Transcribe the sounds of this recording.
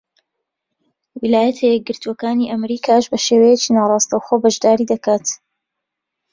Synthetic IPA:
wilaːjɐt̪ʰɐjɛk̚ɡɨɾt̪uwɐkaːniːʔɐmɾiːkʰaːʃbɐʃeːwejet͡ʃiːnaːrˤɑːst̪ɐwxoːbɐʒd̪aːɾiːd̪ɐkʰaːt̪

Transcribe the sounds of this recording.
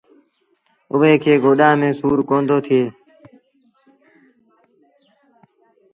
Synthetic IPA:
ʊʋeːkʰeːɡʱoːɗãːmẽːsuːɾkoːnd̪oːt̪ʰɪjeː

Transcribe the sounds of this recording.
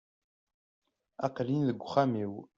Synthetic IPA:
aqlinðəɡʷχamiw

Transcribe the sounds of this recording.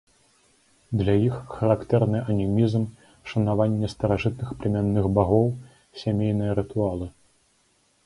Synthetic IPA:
d̪lʲajixxɐɾakt̪ɛɾnɨʔɐnʲimʲizm | ʂɐnavanʲːɛst̪ɐɾaʐɨt̪nɨxplʲɛmʲanːɨɣbaɣɔw | sʲamʲejnɨjɐɾɨt̪ualˠɨ

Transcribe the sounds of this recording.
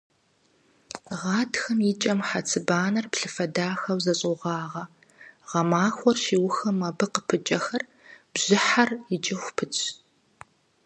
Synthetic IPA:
ʁɑːtxɐmjit͡ʃʼɐmħat͡sʰɨbaːnɐrpɬɨfɐdaːxɐwzɐɕʼʊʁɑːʁɐ | ʁɐmaːxʷɔrʃiːwʊxɐmɐbɨqəpʰɨt͡ʃʼɐxɐr | b̥ʑ̥ɪħarjɪt͡ʃʼɪxʷpʰɨt͡ʃʰʼ

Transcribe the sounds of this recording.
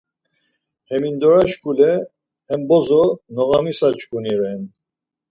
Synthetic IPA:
hɛmind̪ɔɾaʃkulɛː | mbɔzɔnɔɣamisat͡ʃkuniɾɛn

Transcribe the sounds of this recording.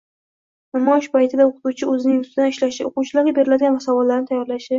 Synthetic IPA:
namɒʃpʰajt̪ʰɪd̪aoqʰɨ̥t̪uwt͡ʃʰɪɵzɪnɪŋʊst̪ʰɪd̪anɪʃlaʃɪoqʊwt͡ʃʰɪlaɾɡʲabe̞ɾɪlad̪ɪɡʲanvasɒvɒlːaɾnɪt̪ʰajːɒɾlaʃɪ

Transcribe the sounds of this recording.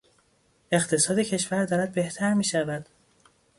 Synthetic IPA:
e̞χt̪ʰe̞sɒːd̪e̞cʰe̞ʃvæɾd̪ɒːɾæd̪̚be̞ht̪ʰæɾmiːʃævæd̪̥

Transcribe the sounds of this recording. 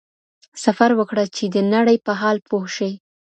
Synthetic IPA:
safaɾwəkɽat͡ʃed̪ənaɽəjpəɦɑlpohʃəj

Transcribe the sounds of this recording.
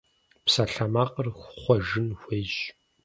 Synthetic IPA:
psɐɬɐmaqʼərxʷχʷɔʒɨnxʷejʒ

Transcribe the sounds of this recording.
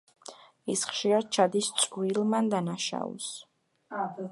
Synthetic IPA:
isχʃiɾad̪̥̚t͡ʃʰad̪ist̪sʼwilmand̪anaʃa̰ṵs

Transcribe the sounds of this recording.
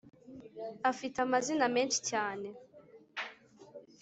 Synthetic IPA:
afitamaziname̞ːnʃi̥caːne̞

